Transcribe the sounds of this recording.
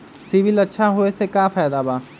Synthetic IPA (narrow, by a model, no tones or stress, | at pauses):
sibɪlɐtːʃʰaɦoesekaːpʰaːd̪abaː